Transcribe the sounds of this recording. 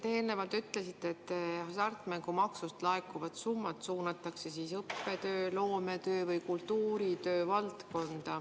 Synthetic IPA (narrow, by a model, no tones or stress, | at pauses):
t̪e̞ːlne̞vɑlt̪yt̪ːˑle̞sit̪ːˑe̞t̪ːsɑrt̪ːˑmæŋɡ̥umɑksust̪lɑekːˑuvɑt̪sumːɑt̪suːnɑt̪ːˑɑkse̞siːsɤpːe̞t̪ø̞ːlo̞ːme̞t̪ø̞ːvɯjkult̪ːuːɾit̪ø̞ːvɑlt̪ko̞nd̪̥ɑ